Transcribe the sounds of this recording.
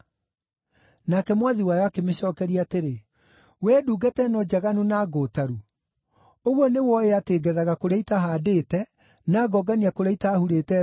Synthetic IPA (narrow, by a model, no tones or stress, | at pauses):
nakɛmwaðiwajɔakemeɕɔːkɛɾiaːteɾe | wɛduːɡɛtɛnɔd͡ʑaɣanunaɡotaɾu | oɣwɔnewɔeateɡɛðaɣakoɾaitaɦadeːtɛ | naɡɔɡaniakoɾaitaːhuɾetɛ